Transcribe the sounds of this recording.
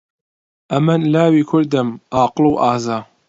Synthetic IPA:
ʔɐmɐnlaːwiːkʰʊɾd̪əmʔaːqɨluwʔaːzaː

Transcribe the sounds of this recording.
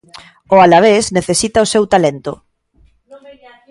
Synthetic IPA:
ʊalaβ̞esneθesit̪aosewt̪alent̪ʊ̰

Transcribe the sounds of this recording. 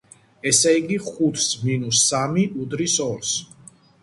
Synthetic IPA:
ɛsɛiɡiχut̪ʰsminusamiʔud̪ɾisɔɾs

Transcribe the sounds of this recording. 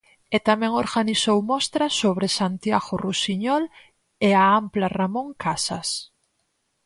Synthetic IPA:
et̪amɛ̃ŋoɾɣanisowmɔst̪ɾɐsoβɾesant̪jaɣorusiɲɔl | eaamplaramõŋkʰasɐs

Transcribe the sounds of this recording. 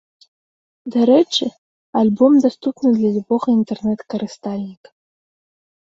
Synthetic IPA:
d̪aɾɛʈ͡ʂʰɨ | alʲbomd̪ast̪upnɨd̪lʲalʲuboχɐint̪ʰernɛt̪kɐɾɨst̪alʲnʲikʼ

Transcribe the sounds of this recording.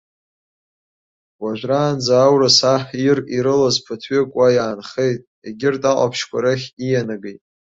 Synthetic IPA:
wʷaʒᶣʷraːnd͡zaːwrasaħiriɾɨlazpʰatʰɥɪkʷʼajaːnχe̞jtʼ | eɡʲɪrtʼaqʷʼa̰pʰʃkʷʰaɾaχʲijanaɡejtʼ

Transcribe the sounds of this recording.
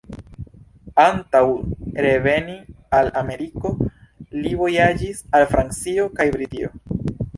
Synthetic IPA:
antawɾe̞ve̞ni | alame̞ɾiko̞livo̞jad͡ʒisalfɾant͡sio̞kajbɾitio̰

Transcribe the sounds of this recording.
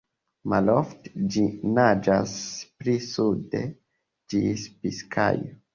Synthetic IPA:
malofte̥d͡ʒinad͡ʒasplisude̞ | d͡ʒispiskʰa̰jo

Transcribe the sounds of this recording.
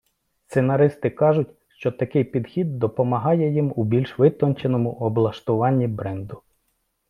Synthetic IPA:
st̪senɐɾɪst̪ɪkɑʒʊt̚ʲ | ʃt͡ʃɔt̪ɐkɪjpʲid̪xʲid̪̚ːɔpɔmɐɦɑjɛjimubʲilʲʃʋɪt̪ɔnt͡ʃenɔmʊʔɔblˠɐʃt̪ʊʋɑnʲːibɾɛnd̪ʊ

